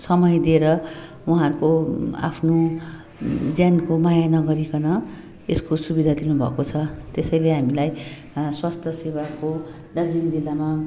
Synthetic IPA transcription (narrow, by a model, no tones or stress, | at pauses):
sʌmʌjd̪ieɾʌ | uɦãɾkoa̰pʰno | d͡zjankomajanʌɡʌɾikʌnʌ | eskosubid̪ʱad̪inubʱʌ̰kot͡sʰʌt̪esʌjleɦamilaj | swast̪ʰjʌseβako | d̪ʌrd͡zind͡zilːama